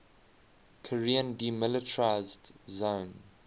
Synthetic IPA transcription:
kʰəɹiə̃ndimɪlɪtəɹaɪzdzõːn

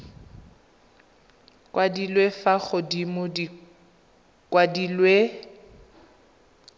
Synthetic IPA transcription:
kʼwadilwefaɣʊdimʊdi | kʼwadilwe

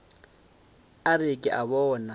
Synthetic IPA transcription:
arɪkʼɪ̰ʔaβɔːna

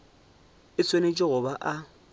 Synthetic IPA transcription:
ɪt͡sʰʼwenet͡ʃʼɪɣʊbaʔa

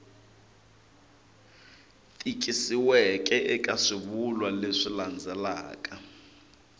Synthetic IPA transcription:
tʼik̬ʼisiwɛkʼɛʔɛkʼaʂiβulwaleʂiland͡zʱɛla̰ːkʼa

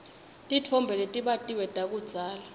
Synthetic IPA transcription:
tʼitʰɔmbʱɛlɛtʼiɓatʼiwɛtʼak̬ʼud̥z̥ʱaːla

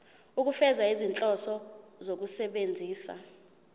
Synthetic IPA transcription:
uk̬ufɛzaizint͡ɬʼɔsɔzok̬usɛɓend͡zʱiːsa̰

